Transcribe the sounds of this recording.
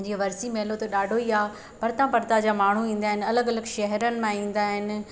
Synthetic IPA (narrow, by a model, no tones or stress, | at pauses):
ɲd͡ʑiːɐʋɐɾsimeɦlot̪ɐɗaːɖʱoiaː | pɐɾt̪ãpɐɾt̪ad͡ʑaːmaːɳ̤uĩːn̆d̪aːɦɪnɪ̆ɐləɡɐləɡʃɐɦəɾənɪ̆mãĩːn̆d̪aːɦɪnɪ̆